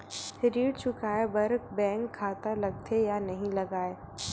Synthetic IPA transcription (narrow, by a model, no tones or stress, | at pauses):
ɾiːɽt͡ʃʰʊkaːebɐɾk̚bɛ̃ːŋkʰːaːt̪alɐɡ̚t̪ʰejanɐɦĩlɐɡaːe